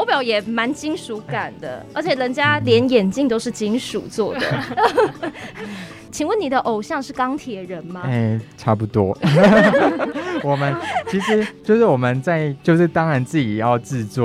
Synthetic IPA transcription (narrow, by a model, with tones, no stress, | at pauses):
o˧˥ʊpjɑ˨˩ʊjɛ˨˩ma˧˥nt͡ɕi˥nʂu˧˥ka˨˩nd̪ə̰˦ə˞˧˥t͡ɕʰjɛ˨˩lə˧˦˥nt͡ɕja˥ljɛ˧˥njɛ˨˩nt͡ɕi˥˧ŋt̪o˥ʊʂɻ̩˥˩t͡ɕi˥ŋʂṵ˨˩t͡swɔ˥˩dd̪ə̰˨˦ | t͡ɕʰi˨˩ŋwə˥˩nːi˨˩d̪ə˦ʔo˨˩ʊɕjɑ˥˧ŋʂɻ̩˥˩kɑ˥ŋt̪ʰjɛ˨˩ɻə˨˦nmɐ˧e˥˩ʈ͡ʂʰa˥pu˧t̪wɔ˦ | wɔ˨˩mə˦nt͡ɕʰi˧˥ʂɻ̩˧˦t͡ɕjo˥˧ʊʂɻ̩˥˩wɔ˨˩mə˨˦nt͡sa˥˧˨ɪt͡ɕjo˥˧ʊʂɻ̩˥˩t̪ɑ˦ŋɻa˧˦nt͡sɹ̩˥˩t͡ɕi˨˩jɑ˥˧ʊt͡sɹ̩˥˧t͡swɔ̰˥˨